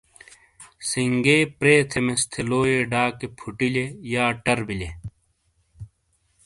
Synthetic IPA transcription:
siŋɡeːpɾeːt̪ʰemest̪ʰeloːeɖaːkepʰuʈilejaːʈɐɾbile

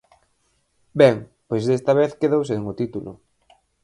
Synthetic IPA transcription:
bɛŋpojzðest̪ɐβeθkeðows̬eŋot̪it̪ulʊ̰

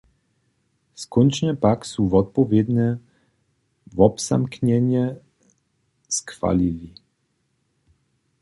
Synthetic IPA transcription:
skɔnt͡ʃnɛpaksuvɔt̪̚pɔvjed̪nɛ | vɔpsa̰mknɛnjɛ | skfa̰lili

